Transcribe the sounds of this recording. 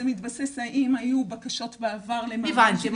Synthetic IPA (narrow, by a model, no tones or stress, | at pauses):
emit̪basesaʔimajubakaʃo̞t̪beavaʁlemivant̪im